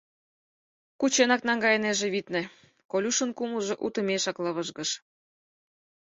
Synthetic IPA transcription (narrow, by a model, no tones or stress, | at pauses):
kut͡ɕenɑknɑŋɡɑjeneʒĕβit̪nĕ | kolʲuʃə̆nkuməʒĕʔut̪ə̆meʃɑklɤβɤʒɣɤ̆ʃ